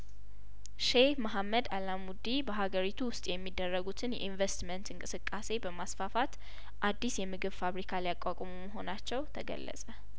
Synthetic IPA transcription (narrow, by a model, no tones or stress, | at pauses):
ʃehməɦamːəd̪alamud̪ibəɦaɡəɾit̪ʰuwʊst̪ʼjɛmːid̪ːərːəɡut̪ʰɨnjɛ̰ʔinvest̪mənt̪ɨŋkʼɨsɨkʼːase̞bəmasfafat̪ | ʔad̪ːisjɛmɨɡɨβfaβɾikʰalijakʼakʼomuməɦo̞nat͡ʃːɛwt̪ʰəɡə̰lːə̰sʼə